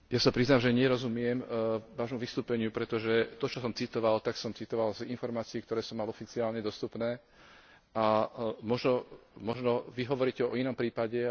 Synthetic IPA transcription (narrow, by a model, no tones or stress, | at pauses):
jasapɾiznamʒɛɲɪɛɾɔzumɪɛmʋaːʒmuʋist̪uːpɛɲɪupɾɛt̪ɔʒɛt̪ɔt͡ʃɔsɔmt͡sit̪ɔʋalt̪aksɔmt͡sit̪ɔʋalzinfɔɾmaːt͡siːkt̪ɔɾɛːsɔmːalɔfit͡siaːlɲɛd̪ɔst̪upnɛː | amɔʒnɔmɔʒnɔʋiɦɔʋɔɾiːcɛɔɔinɔmpɾiːpaɟɛ